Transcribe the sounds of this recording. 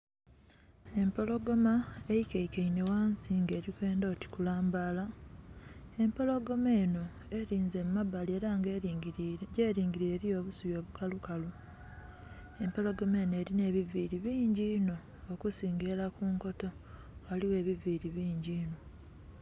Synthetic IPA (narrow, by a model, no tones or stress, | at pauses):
e̞mpo̞lo̞ɡo̞maejikeikeine̞waːnsiŋɡe̞ːɾikwe̞ːndo̞ːti̥kulaːmbala | e̞mpo̞lo̞ɡo̞me̞ːno̞ | eɾiːnze̞mumabːalie̞ːɾaŋɡ | jeːɾiːŋɡiɾieːɾijo̞ːβusuβjo̞ːβukalukalu | e̞mpo̞lo̞ɡo̞me̞ːne̞ːɾine̞ːβiviɾiβiːɲɟiːno̞ː | kusiːŋɡe̞lakuːŋko̞to̞ | waliwe̞ːβiviɾiβiːɲɟiːno̞